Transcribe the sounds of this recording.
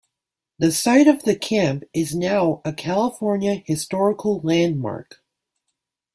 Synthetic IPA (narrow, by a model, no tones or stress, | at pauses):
ðɨsaɪɾʌvðɨkʰæ̃mpɪznaʊɨkʰælˠəfɔɹnjɨhɨstɔɹɨkʰl̩ˠlæ̃nd̚mɑ̰ɹk